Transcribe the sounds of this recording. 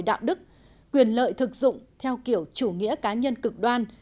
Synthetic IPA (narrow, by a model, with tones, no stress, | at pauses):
jɗa̰ː˧˨wɗɨ˦˥k̚ | kwi˨˩ənlə̰ː˧˨jt̪ʰɨ˨˩k̚zʊ̰˧˨ŋ͡mt̪ʰɛ˧wki˧˩əwt͡ɕu˧˩ŋḭ˧˥əkaː˨˦ɲə˧nkɨ˨˩k̚ɗwaː˧n